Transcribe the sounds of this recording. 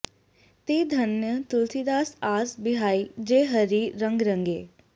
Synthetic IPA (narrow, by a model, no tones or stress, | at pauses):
t̪iːd̪ʱɐnjət̪ʊlt̪ʰid̪aːsaːsbɪɦaːid͡ʒeːɦəɾiːɾə̃ŋɡɾə̃ŋɡḛː